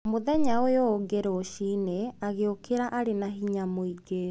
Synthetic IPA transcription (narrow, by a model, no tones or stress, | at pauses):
moðɛɲaojoːɡeɾoːɕineaɣeokʰeɾaʔaɾenaɦiɲamoiɡe